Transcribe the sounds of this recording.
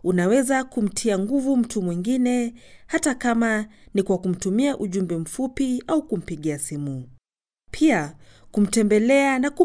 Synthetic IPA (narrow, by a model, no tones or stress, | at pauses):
unawɛzakum̩tʰiaŋɡuvum̩tumwiŋɡinɛhatakamanikwakum̩tumiaʔuʄumbɛm̩fupiaukum̩piɠiasimu | pʰiakum̩tɛmbɛlɛanaku